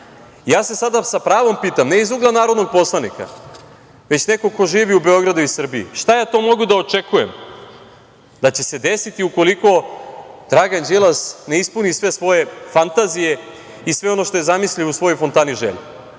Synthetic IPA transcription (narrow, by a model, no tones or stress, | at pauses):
ijaːse̞sad̪asapɾaːʋo̞mpiːt̪amneizuɡlˠanaːɾod̪no̞ɡ̚po̞slˠanika̰ | ʋe̞t͡ɕne̞ko̞ko̞ʒiːʋiube̞o̞ɡɾad̪uisr̩biḭʃt̪ajaːt̪o̞mo̞ɡud̪ao̞t͡ʃekujem | d̪at͡ɕe̞se̞d̪e̞sit̪iuko̞liko̞d̪ɾaɡand͡ʒelˠasne̞ispunisʋe̞sʋo̞je̞fant̪azije̞ | isʋe̞o̞no̞ʃt̪o̞je̞zamisliusʋo̞jojfo̞nt̪aniʒḛʎu